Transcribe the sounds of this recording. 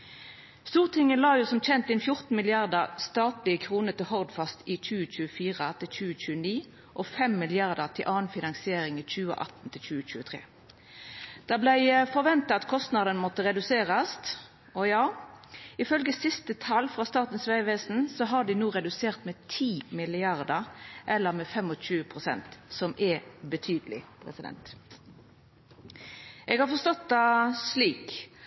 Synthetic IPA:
st̪uːʁt̪ʰɪŋːəlɑːjuːsɔmc͡çɛnt̪ɪnfjʊʁt̪n̩mɪlɪɑʁd̪əʁst̪ɑːt̪lɪəkʰʁuːnəʁt̪ɪlhɔʁd̪fɑst̪ɪt͡ʃʉːət͡ʃʉːəfiːʁət̪ʰɪlt͡ʃʉːət͡ʃʉːəniː | ʔɔfɛmːɪlɪɑʁd̪əʁt̪ʰɪlʔɑːnfɪnɑŋsɪeːʁɪŋɪc͡çʉːə̰ʔɑ̰t̪n̩t̪ʰɪlt͡ʃʉːət͡ʃʉːət̪ʰʁḛː | d̪̥ɑblæɪfɔʁʋɛnt̪ɑɑt̪kʰɔst̪nɑd̪ənmɔt̪əʁɛd̪ʉseːʁəst̪ | ɔjɑː | ɪfœlɡəsɪst̪ət̪ʰɑlfʁɑst̪ɑːt̪n̩sʋæɪʋeːsn̩sɔɦɑɖɪnuːʁɛd̪ʉseːʁt̪mɛt̪ʰiːmɪlɪɑʁd̪əʁʔɛlːəʁmɛfɛmɔɕʉːəpʰʁʊsɛ̰nt̪sɔmʔɛbət̪ʰyːd̪əlɪ̰pʰɾɛ̰sɪd̪ɛ̰nt̪ | ʔɛɡhɑʁfɔst̪ɔt̪̚d̪ɑsliːk

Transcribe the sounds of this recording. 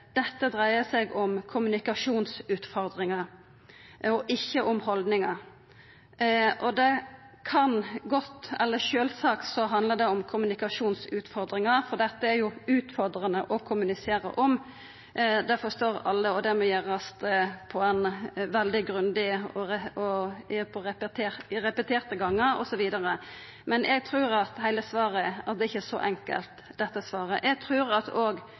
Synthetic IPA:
d̪̥ɛt̪ːəd̪ɾæɪəsɛɡɔmkʰʊmʉnɪkɑʂuːnsʉːt̪fɔɾd̪ɾɪŋɑ | ɔʔɪçːəʔɔmhɔld̪nɪŋɑ | ʔɔd̪ɛ | kʰɑnɡɔt̪ːɛlːəʃøːlsɑːkt̪sɔɦɑnd̪ləd̪ɛɔmkʰʊmʉnɪkɑʂuːnsʉːt̪fɔɾd̪ɾɪŋɑɾfɔɾɖ̪ɛt̪ːəæɾjʊʉːt̪fɔɾd̪ɾənəʔɔkʰʊmʉnɪseːɾə̰ʔɔm | d̪ɛfɔst̪oːɾɑlːəɔd̪ɛmɔjæɾɑst̪əpʰɔɛnʋɛld̪ɪɡɾʉnd̪ɪɔɾɛɔpʰɔɾɛpət̪ʰeːɾɾɛpət̪ʰeːɾt̪əɡɑŋːəɾɔ̰sɔʋiːd̪ɑɾə | mɛnʔɛɡ̚t̪ʰɾʉːɾɑt̪hæɪləsʋɑːɾəæʁd̪ɛɪçːəsɔ̰ʔɛŋkə̰lt̪d̪ɛt̪ːəsʋɑːɾə̰ʔɛɡ̚t̪ʰɾʉːɾɑt̪oːɡ

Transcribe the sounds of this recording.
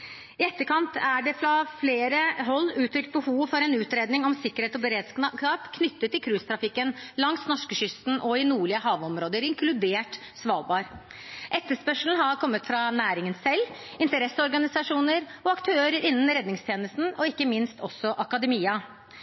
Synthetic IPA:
ɪɛt̪ːəkʰɑnt̪ʰæɖɛfɾɑfleːɾəɦɔlːʉːt̪ʰɾʏkt̪̚bəhuːʋfɔɾɛnʉːt̪ɾeːd̪nɪŋɔmsɪkːəɾeːt̪ɔbəɾeːd̪sɑːpkʰnʏt̪ːət̪ːɪkʰɾʉːst̪ʰɾɑfɪkːənlɑŋsnɔʂkəɕʏst̪n̩ʔɔɪnuːɭɪəɦɑːʋɔmɾoːd̪əɾɪŋkʰlʉd̪eːʈ | sʋɑ̰ːlbɑːɾ | ʔɛt̪ːəʂpœʂln̩ɦɑɾkʰɔmːət̪fɾɑnæːɾɪŋənsɛlː | ɪnt̪əɾɛsːəɔɾɡɑnɪsɑʂuːnəɾɔɑkt̪ʰøːɾəɾɪnːn̩ɾɛd̪nɪŋst̪ʰjeːnəst̪n̩ɔɪkːəmɪnst̪ʰɔsːɔʔɑkɑd̪əmiːɑ

